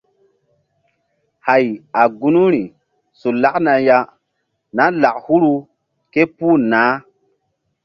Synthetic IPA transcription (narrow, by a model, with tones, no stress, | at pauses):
ha˨ja˨ɡu˦nu˦ɾi˨ | su˨la˦kna˨ja˦ | na˦la˨khu˦ɾu˦ | ke˦puː˦˨naː˨˦